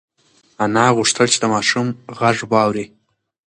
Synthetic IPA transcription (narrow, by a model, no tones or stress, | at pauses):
anɑɣʊʂt̪əlt͡ʃed̪əmɑʃumɣaʐbwɑwɾi